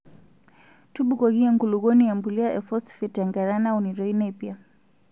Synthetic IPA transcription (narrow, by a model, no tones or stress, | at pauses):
tuɓukɔɡiaŋɡuluɣɔnijambuliaʔɛfɔsfɛtaŋɡaɾanauniɾɔinɛpia